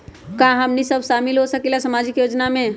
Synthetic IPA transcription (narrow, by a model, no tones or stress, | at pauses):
kãɦəmnisəbʱʃamilɦosəkelasəmad͡ʒikjod͡ʒnamẽ